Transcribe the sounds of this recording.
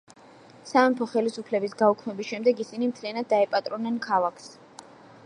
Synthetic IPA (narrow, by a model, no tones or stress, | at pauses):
samɛmpʰɔχɛlisupʰlɛbisɡaukʰmɛbisʃɛmd̪ɛɡisinimt̪ʰlianad̪̚ːaɛpʼat̪ʼɾɔnːɛnkʰalˠakʰs